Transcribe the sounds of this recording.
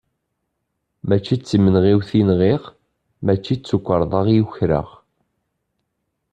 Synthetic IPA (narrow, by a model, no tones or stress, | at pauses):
mæt͡ʃːit͡sːimənʁiwθinʁiʁ | mæt͡ʃːit͡sːukʷːəɾˤðˤɑʁjuçɾə̰ʁ